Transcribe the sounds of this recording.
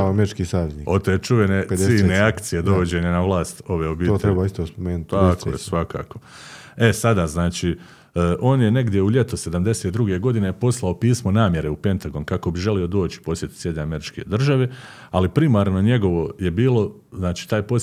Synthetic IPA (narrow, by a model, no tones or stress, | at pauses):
ameɾit͡ʃkiːsaːʋjeznio̞t̪oet͡ʃuʋeneiːneakt̪sije̞d̪o̞ʋod͡ʑe̞ɲanaʋlˠaːst̪o̞ʋe̞obiːoeɾebaist̪ospomeːnt̪akkʰo̰jesʋaka̰ːko | e̞sad̪aznaːt͡ʃiː | ʔo̞ːnjene̞ɡd̪je̞uʎe̞t̪ose̞d̪amd̪eseːt̪̚d̪ɾuɡe̞ɡo̞d̪ine̞po̞slˠao̞piːsmo̞naːmje̞ɾe̞upe̞nt̪aɡo̞nkako̞biʒe̞lio̞d̪o̞ːt͡ʃi̥po̞sje̞t̪u̥sje̞d̪neame̞ɾit͡ʃke̞d̪r̩ʒaʋe̞ | alipɾimaːɾno̞ɲe̞ɡo̞ʋo̞je̞biːlo̞ | znaːt͡ʃiːt̪aːjpo